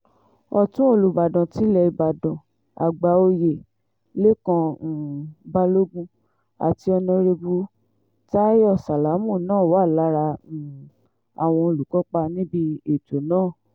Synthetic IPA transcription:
ɔ˧tũ˦o˧˨lu˧ba˨dã˨ti˨˦lɛ˧i˧ba˨dɔ̃˨ | a̰˨ɡ͡ba˨˦o˧je˨ | le˦kã˧˨ba˦lo˦ɡũ˦ | a̰˨ti˧ɔ˧nɔ̃˧ɾe˧bu˧ | ta˦jɔ˦˨sa˨la˨˦mũ˦˨nãː˦˨wa˦˨la˨˦ɾa˧˨ | a˨w̃ɔ̃˧o˧lu˨kɔ˨˦k͡pa˧nĩ˦bi˧e˨to˨˦nãː˦˨

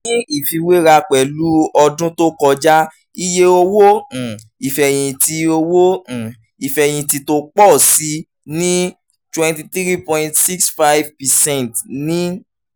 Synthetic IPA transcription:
nĩ˦i˨fĩ˧we˦ɾa˧k͡pɛ˨lu˦ɔ˧dũ˦to˦kɔ˧d͡ʒa˦ | i˦je˦o˧wõ˦˨ | i˨fɛ˨j̃ĩ˧ti˧o˧wõ˦˨ | i˨fɛ˨j̃ĩ˧ti˧to˦k͡pɔ˦˨si˧˦ | nĩ˦ | twɛ̃˧nti˧tɾi˦pɔ̃˧ĩtsi˦ksfa˦vpɛ˨sɛ̃˦˨tnĩ˦

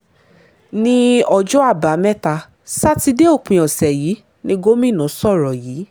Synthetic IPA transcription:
nĩ˦ɔ˧d͡ʒɔ˦a˦˨ba˨˦mɛ˦ta˧ | sa˦ti˧de˦o˦˨k͡pĩ˧ɔ˨sɛ˨jiː˨˦ | nĩ˧˦ɡo˦mĩ˦˨nã˨˦sɔ˦˨ɾɔ˨jiː˨˦

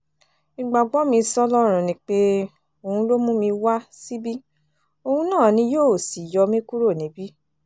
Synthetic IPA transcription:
i˧ɡ͡ba˨ɡ͡bɔ˦mĩ˧sɔ˧lɔ˦ɾ̃ũ˨nĩ˧˦k͡pe˦ | o˧hũ˧lo˦mũ˦mĩ˧wa˦si˦bi˦ | o˧hũ˧nãː˦˨nĩ˧joː˦˨si˨jɔ˧mĩ˦ku˦ɾo˦˨nĩ˨˦bi˦

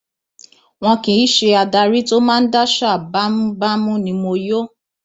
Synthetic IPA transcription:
w̃ɔ̃˧kĩ˨i˦ʃe˧a˨da˧ɾi˦to˦mã˦n̩˦da˦ʃa˦˨ba˦m˦ba˦mũ˦nĩ˧˦mo˧jo˦

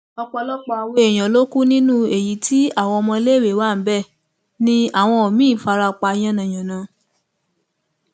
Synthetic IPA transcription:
ɔ˧k͡pɔ˧lɔ˦k͡pɔ˧we˦˨j̃ã˨˦lo˦ku˦nĩ˦nũ˦e˨ji˨˦tʰi˦a˦˨w̃ɔ̃˧ɔ˧mɔ̃˧˦le˦˨we˨˦wa˦˨m̩˨˦bɛ˦˨ | nĩ˧˦a˨w̃ɔ̃˧o˨mĩ˨˦˨fa˧ɾa˧k͡pa˧˦j̃ã˦nã˨j̃ã˨nã˨˦

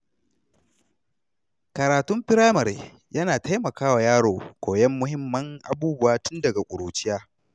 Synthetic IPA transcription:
kɐ˨ɾaː˨tʊ˦mɸɪ˦ɾaː˦mɐ˨ɾe˨ | jɐ˦naː˨ta˦jmɐ˨kaː˦wa˨jaː˦ɽoː˨kʷoː˨jɛ˦mːʊ˦hɪ˦mːɐ˦ŋʔa̰˨buː˦bʊ˦waː˦tʊ˦ndɐ˨ɡa˨kʷʼʊ˨ɾuː˨t͡ʃɪ˦jaː˦

